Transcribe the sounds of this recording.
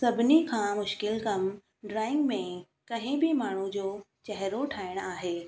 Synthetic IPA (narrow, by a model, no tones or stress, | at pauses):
sɐbʱɪnikʰãːmʊʃkɪlkɐm | ɖɾaːɪ̃ŋɡmẽ | kɐɦɪ̃bʱimaːɳ̤ud͡ʑoː | t͡ɕɛɦɾoʈʰaːɪɽ̃aːɦeː